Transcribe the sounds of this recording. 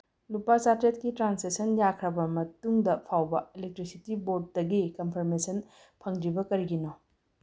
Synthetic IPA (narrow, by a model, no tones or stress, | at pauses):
lupat͡ʃatɾetkitɾansesɐnjakʰɾɐbɐmɐtuŋdɐpʰawbɐelek̚tɾisitibot̚dɐɡikɐmpʰɐɾmesɐn | pʰɐŋdɾibɐkɐɾiɡino